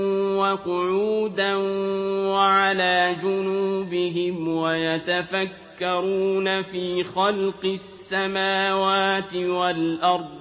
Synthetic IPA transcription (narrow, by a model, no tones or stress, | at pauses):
waqʊʕuːd̪anwaʕalaːd͡ʒʊnuːbɪɦɪmwajat̪afakːɑɾuːnafiːxɑlqɨsːamaːwaːt̪ɪwalʔɑɾˤd̪ˤ